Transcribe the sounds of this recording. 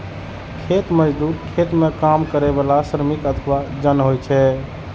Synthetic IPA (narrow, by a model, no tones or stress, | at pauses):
kʰet̪məd͡ʒd̪uːɾkʰet̪mekamkəɾɛbalasɾəmikət̪ʰəʋad͡ʒənɦojt͡ʃʰɛ